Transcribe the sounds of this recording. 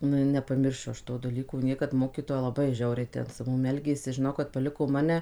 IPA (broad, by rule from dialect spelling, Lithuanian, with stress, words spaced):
ˈnʊ ɪ nʲɛpɐˈmʲɪrʲʃʲʊ ˈɐʃ ˈtoː dɐˈlʲiːkoː ˈnʲiɛkɐt ˈmoːkʲiːtoːjɛ lˠɐˈbɐɪ ˈʒʲɛʊrʲɛɪ tʲɛn sʊ ˈmʊm ˈɛlʲɡʲeːsʲɪ ʒʲɪˈnɐʊ kɐt pɐˈlʲɪkoː ˈmɑːnʲɛ